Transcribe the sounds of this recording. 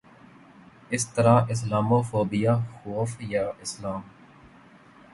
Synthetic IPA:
ɪst̪əɾaːɪs̬laːmoːfoːbɪjaːxoːfjaːʔɪslaːm

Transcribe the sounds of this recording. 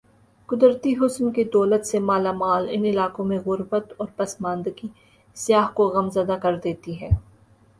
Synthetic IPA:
kʊd̪ɾt̪iɦʊsnkid̪ɔːlət̪semaːlamaːlɪnɪlaːkõmẽɣʊɾbət̪ɔːɾpɐsmãːnd̪ɡi | sjaːɦkoɣɐmzəd̪akɐɾd̪eːt̪iɦɛː

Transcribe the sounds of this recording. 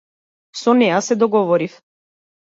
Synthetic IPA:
sɔnɛjasɛd̪ɔɡɔvɔɾif

